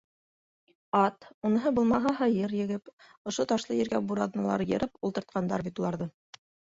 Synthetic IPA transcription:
ɑt̪unɤ̆ɦɤbulˠmɑɦɑɦɑjɤɾjɘ̆ɡɘp | ŏʃot̪ɑʃlˠɤjɘ̆ɾɡæbuɾɑðnɑlˠɑ̰ɾjɤ̆ɾʔɤpulˠt̪ɤ̆ɾt̪̚qɑnd̪ɑ̰ɾbit̪ulˠɑɾðɤ

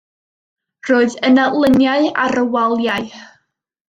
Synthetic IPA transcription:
roːɨðənalˠənjaɨa̰ɾəwalˠjaɨ

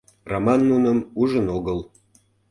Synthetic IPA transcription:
romɑnːunəmuʒənoɣəl

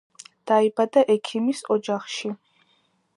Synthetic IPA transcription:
d̪̥aibad̪aʔɛkʰimisɔd͡ʒaχʃi

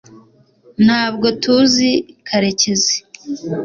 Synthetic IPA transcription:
n̥haːbɡo̞tuzikʰaɾeceze̥

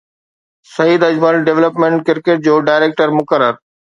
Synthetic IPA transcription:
sɐiːd̪ɐd͡ʑməlɖeʋləpmẽɳʈkɪɾkeːʈ̚d͡ʑoːɖaːɪɾeːk̚ʈəɾmʊkəɾəɾ

